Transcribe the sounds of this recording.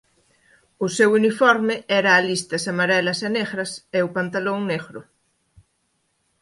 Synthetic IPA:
ʊsewunifɔɾmeɛɾaːlist̪ɐsamaɾɛlaseneɣɾɐseupant̪alõŋneɣɾʊ

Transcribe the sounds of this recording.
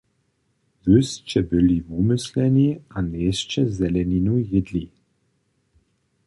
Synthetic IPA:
vɵst͡ʃɛbɘlivumɘslɛnʲianeːst͡ʃɛzɛlɛnʲinujɪd̪li

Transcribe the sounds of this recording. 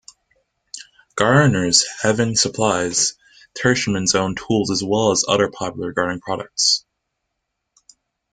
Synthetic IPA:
ɡ̥ɑɹnə˞z̥hɛvɨ̃nsəpʰl̥aɪz̥ | tʰɛ˞ʃmɨ̃nzõʊ̃ntʰulˠzəzwɛlˠəzʌ̰ðə˞pʰɑpjl̩ˠə˞ɡɑɹɾɪ̃ŋpʰɹ̥ɑɾɨk̚ts

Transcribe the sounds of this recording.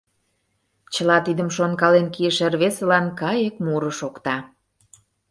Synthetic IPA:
t͡ɕə̆lɑt̪id̪əmʃonkɑlenkiəʃerβesĕlɑnkɑjekmuɾə̆ʃokt̪ɑ

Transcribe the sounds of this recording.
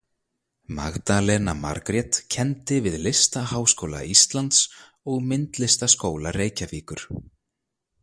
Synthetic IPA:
ma̰ɣt̪alɛnama̰ɾkɾjɛt̪cʰɛnt̪ɪvɪðlɪst̪aɦaːwskoːwla̰ist̪lant̪s | ɔɣmɪnt̪lɪst̪askoːwlareːjcafiːkʏɾ̥

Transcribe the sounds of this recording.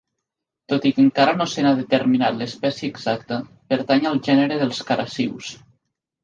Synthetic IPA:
t̪ot̪ikəŋkaɾənosenaðət̪əɾminat̪ləspɛsjəːɡzak̚t̪ə | pəɾt̪aɲəlˠʒɛnəɾeðəlˠskaɾʔasiws

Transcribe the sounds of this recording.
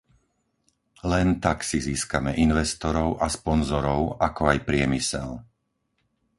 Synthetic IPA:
lɛnt̪aksiziːskamɛʔinʋɛst̪ɔɾɔʊʔaspɔnzɔɾɔʊakɔajpɾɪɛmisɛ̰l

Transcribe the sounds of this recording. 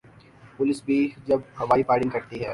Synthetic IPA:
pʊlɪsbʱid͡ʒɐbhɐʋaːipaːɽɪ̃ŋɡkɐɾt̪iɦɛː

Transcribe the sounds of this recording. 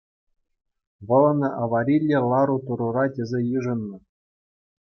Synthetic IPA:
ʋɤ̆lˠɤ̆nɤ̆ʔɑʋɑɾʲilʲːĕlˠɑɾut̪uɾurɑtʲɘ̆zʲejɯʐɤ̆nːɤ̆

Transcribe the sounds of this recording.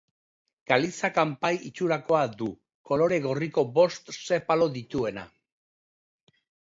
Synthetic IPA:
ɡ̥alisakampajit͡ʃuɾako̞ad̪u | ko̞lo̞ɾe̞ɣ̞o̞riko̞bo̞st̪se̞palo̞ðit̪ue̞na̰

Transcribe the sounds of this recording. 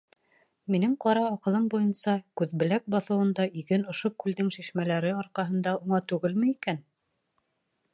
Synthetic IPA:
minɘŋqɑɾɑːqɤ̆lˠɤmbujɤnsɑkʉðbɘ̆læk̚bɑθɤ̆wɤ̆nd̪ɑʔiɡɘnŏʃokʉlðɘŋʃiʃmælæɾɘɑɾqɑɦɤ̆nd̪ɑuɴɑt̪ʉɣɘlmɘikæn

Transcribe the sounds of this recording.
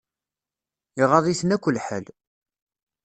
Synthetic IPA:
iʁɑðˤisənækʷːəlħə̰l

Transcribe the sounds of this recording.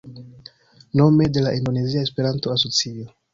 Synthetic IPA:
no̞me̞de̞laʔindo̞ne̞ziae̞spe̞ɾanto̞aso̞t͡sio

